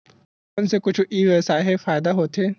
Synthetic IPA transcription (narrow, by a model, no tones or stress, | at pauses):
ɐnsekʊt͡ʃʰʔiːʋesaːɦefaːjd̪aɦot̪ʰe